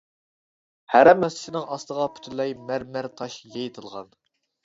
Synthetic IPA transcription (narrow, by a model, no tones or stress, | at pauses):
hæɾɛmːɛsɪ̥ʃɪnɨŋɑst̪əʁɑpʰy̥t̪ʰylːɛjmæɾmæɾt̪ʰɑʃjejt̪ʰɨlˠʁɑ̰n